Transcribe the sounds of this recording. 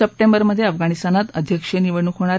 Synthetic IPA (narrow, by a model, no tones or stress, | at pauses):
əp̚ʈembəɾməd̪ʱːjeəfɡaɽ̃ist̪anat̪əd̪ʱjəkʂeniʋəɳukʰɦoɽ̃aɾ